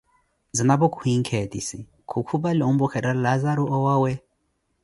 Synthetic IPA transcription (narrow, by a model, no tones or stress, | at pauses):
zinabɔkʰʼuhiŋkʰetḭsi | kʰukʰubaliumbɔkʰɛɾalazaɾuʔɔwawɛ